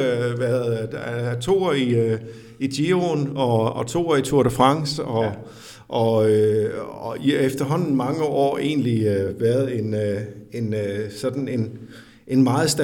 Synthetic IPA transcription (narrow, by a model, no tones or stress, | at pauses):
ʋæɐðˠt͡sʰo̝̰ːɐi | id̥jionɒ̽ɒ̽t͡sʰo̝̰ːɐit͡sʰuɐ̰ɾ̥əfʁɑ̈ŋ̰sɒ̽ | ʔɒ̽øɒiefd̥ɐɦɒ̽n̰n̩mɑ̈ŋəʔɒ̰ːe̝̰ːnliøʋæɐð̞̩ˠe̝ne̝nøsɒ̽d̥n̩e̝n | ʔe̝nmɑ̈ːð̩ˠsd̥æ